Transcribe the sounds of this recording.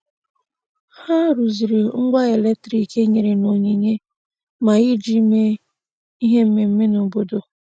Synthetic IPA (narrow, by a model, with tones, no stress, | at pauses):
ha˦ɾu˨zi˨ɾe˨ŋ̩˦ɡʷa˦e˨le˦k̚tɾi˨ke˦ɲe˨ɾe˨no˨ɲe˨ɲe˦ | ma˨ɣɪ˦d͡ʒi˦me˦ | i˦ɦe˦m̩˦me˨m̩˦me˦no˨bo˦do˨